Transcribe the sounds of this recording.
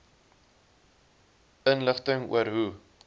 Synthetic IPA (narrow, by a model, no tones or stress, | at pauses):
ənləχtəŋṵəɾɦu